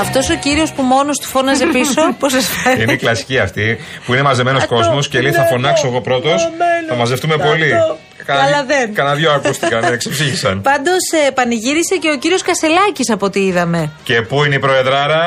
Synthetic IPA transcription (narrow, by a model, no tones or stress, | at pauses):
ɐft̪o̞so̞ciɾio̞spumo̞nost̪u̥fo̞nɐzepiso̞posɐsfenineiklɐsi̥ciɐft̪ipuine̞mɐze̞me̞no̞sko̞zmo̞sceliθɐfo̞nɐksoeɣo̞pɾo̞t̪o̞sɐmɐze̞ft̪ume̞po̞li | kɐɐlɐðenkɐnɐnðʝoɐkust̪ikɐneksepsiçisɐnpɐnd̪o̞sepɐniʝiɾise̞ce̞o̞ciɾio̞skɐse̞lɐcisɐpo̞t̪iiðɐme̞ce̞puineipɾo̞eðɾɐɾɐ